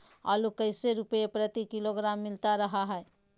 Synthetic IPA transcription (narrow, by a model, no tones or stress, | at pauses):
a̰lukəɪseɾupjepɾət̪ikiloɡɾamːilt̪aɾəɦaɦəe